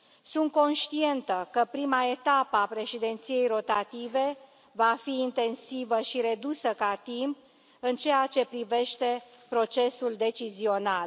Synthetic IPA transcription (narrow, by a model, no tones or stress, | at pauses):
sunt̪̚ko̞nʃt̪ie̞nt̪əkəpɾimae̞t̪apəapɾe̞ʃid̪ent̪sije̞jɾo̞t̪at̪ive̞ | vafiːnt̪e̞nsivəʃiɾe̞d̪usəkat̪imp̚ | ɨnt͡ʃe̞jat͡ʃe̞pɾive̞ʃt̪e̞ | pɾo̞t͡ʃe̞suld̪e̞t͡ʃizio̞nal